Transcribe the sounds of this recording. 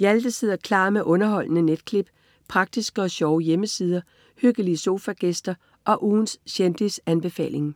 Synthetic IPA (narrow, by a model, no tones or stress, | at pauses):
jæld̥əseð̞̰ˠɐkʰlɑ̰̈ːmeʔɔ̽nɐɦɒ̽l̰nəned̥kʰle̝b̥ | pʰʁɑ̈ɡ̥̚d̥isɡ̥əɒ̽ɕɒʊəjeməsiːð̞ˠɐ | høɡ̥əliəso̝ːfæɡ̥esd̥ɐ | ʔɒ̽ʔuːnsɕend̥isænb̥e̝fɛ̰ːle̝ŋ